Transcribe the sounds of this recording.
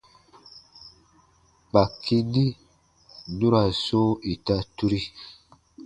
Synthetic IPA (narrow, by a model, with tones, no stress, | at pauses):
k͡pa˨kʰi˦ndi˦ | nu˦ɾa˨so˦i˨ta˦tu˦ɾi˦